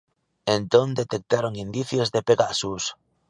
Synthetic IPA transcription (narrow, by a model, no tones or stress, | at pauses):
ẽnt̪ond̪et̪ek̚t̪aɾoŋind̪iθjozðepeɣasus